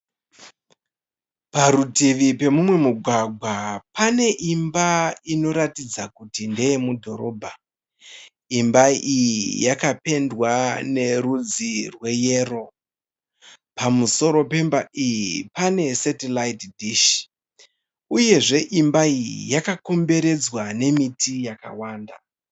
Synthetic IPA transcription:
paɾutiʋipe̞mumwe̞muɡʱwaɡʱwapane̞ʔimbaino̞ɾatid͡zakutinde̞jemudʱo̞ɾo̞ːbʱa | imbaijijakape̞ndwane̞rud͡zirwe̞je̞ːro̞ | pamuso̞ɾo̞pe̞mbaʔijipane̞setelaitdʱiʃ | uje̞ʐe̞ʔimbaijḭjakako̞mbe̞ɾe̞d͡zwane̞mitijakawaːnda

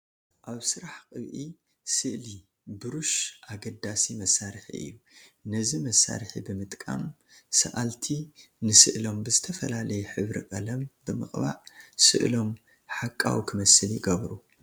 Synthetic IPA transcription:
ʔaβsɨɾaħkʼɨβʔi | sɨʔli | bɨɾuʃʔaɡɐd̪asimɐsːaɾħḭʔɨ̰jːunɐzimɐsːa̰ɾħḭbɨmɨt̪ʼkʼa̰m | sɐ̰ʔalt̪ʰinɨsɨʔlo̞mbɨzɨt̪ʰɐfɐlalɐjuħɨβɾḭkʼɐlɐmbɨmɨχʼβa̰ʔsɨ̰ʔlo̞m | ħakʼːa̰wkʰɨmɐsɨljɪɡɐβɾu

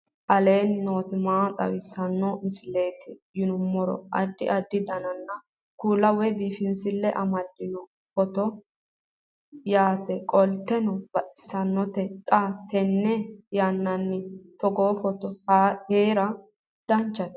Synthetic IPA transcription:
ʔɐle̞ːnnoːt̪ɪmaːt̪ʼɐ̰wɪsːɐnːɔmɪsɪle̞ːt̪ɪjʊnʊmːɔɾɔ̰ʔɐ̰d̪ːɪʔɐd̪ːɪd̪ɐnɐnːɐ | kuːlːɐwɛbiːfɪnsɪlːɛʔɐmɐd̪ːɪnɔ | fɔt̪ɔ | jaːt̪ɛkʼɔlt̪ːɛnɔbɐʔɪ̥sːɐnːɔt̪ɛt̪ʼat̪ɛnːɛjanːɐnːɪt̪ɔɡoːfɔt̪ɔhaheːɾɐ | d̪̥ɐnt͡ʃːɐt̪

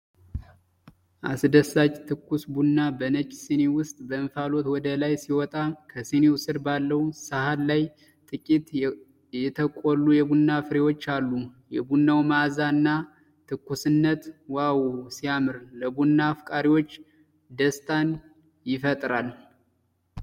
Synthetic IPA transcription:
ʔa̰sd̪əsat͡ʃʼt̪ʰɨkʰːusbunːabənət͡ʃʼːsinewʊst̪ʼbəɨmfalot̪wɔd̪əlajsiwɔt̪ʼakʰəsinewsɨɾbalːəhnsahallaj | t̪ʼɨkʼit̪ | jɛt̪ʰəkʼolːujɛbunːafɨɾewot͡ʃːalːujɛbunːawmazanːa | t̪ʰɨkːusɨnːət̪wawusijamɨɾləbunːaːfkʼaɾiwo̞t͡ʃː | d̪əst̪ʼan | jɪfət̪ʼɾal

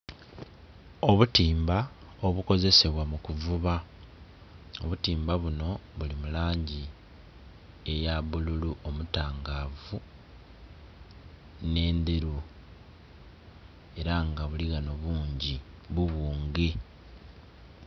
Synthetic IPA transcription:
o̞βutiːmba | oβuko̞ze̞se̞βwamukuvuβa | oβutiːmbaβuno̞βulimulaːɲɟi | e̞jaβululuʔomutaːŋɡaːvu | ne̞ːnd̪eɾu | e̞ɾaŋɡaβuliɣano̞βuːɲɟi | βuβuːŋɡe

